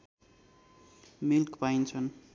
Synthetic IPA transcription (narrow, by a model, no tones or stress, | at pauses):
milkpaint͡sʰʌn